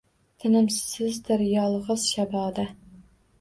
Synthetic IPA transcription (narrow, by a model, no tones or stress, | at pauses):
t̪ʰɪnɪmssɪzd̪ɪɾjɑlˠʁəz̥ʃɑbɑːd̪ɛ